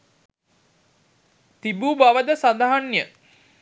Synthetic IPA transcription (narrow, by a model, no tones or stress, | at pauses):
t̪ibuːbaʋəd̪əsad̪aɦanjə